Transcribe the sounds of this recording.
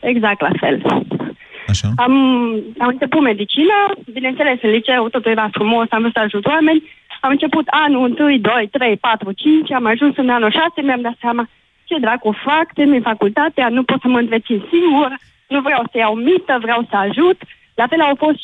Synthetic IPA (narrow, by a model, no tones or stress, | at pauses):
eɡzak̚t̪la̰fḛl | aʃaamamɨnt͡ʃe̞put̪me̞d̪it͡ʃinabinent̪selesɨnlit͡ʃewt̪ot̪ujvafɾumo̞samvɾosəaʒut̪wame̞nʲamɨnt͡ʃe̞put̪anuɨnt̪ɨjd̪o̞jt̪ɾe̞jpat̪ɾut͡ʃint͡ʃamaʒunsɨnanoʃasemeamd̪at̪seama | t͡ʃed̪ɾakofakt̪eninfakult̪at̪eanupot̪səməɨnt̪ɾesinsiŋɡur | nuvɾeawsəjawmit̪əvɾeawsəaʒut̪ | lafelawfo̞st̪